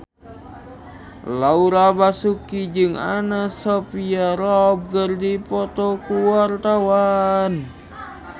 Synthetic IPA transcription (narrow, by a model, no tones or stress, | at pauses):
lauɾabasukid͡ʒɨŋa̰nasɔpiaɾɔb̚kərdipɔt̪ɔkuwart̪awan